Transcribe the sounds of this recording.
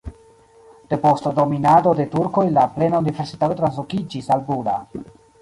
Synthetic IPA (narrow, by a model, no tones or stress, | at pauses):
d̥e̞po̞stado̞minado̞de̞tuɾko̞jlaple̞naunive̞ɾsitato̞t̪ɾans̬lokid͡ʒisalbuda̰